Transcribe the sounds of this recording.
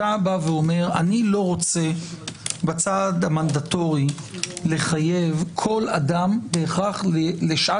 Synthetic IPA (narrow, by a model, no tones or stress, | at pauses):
abaveo̞me̞ʁanilo̞ʁo̞t͡se̞ | bat͡sad̪amand̪at̪o̞ʁi | le̞χaje̞vkʰo̞ladambeːχaχleleʃʔa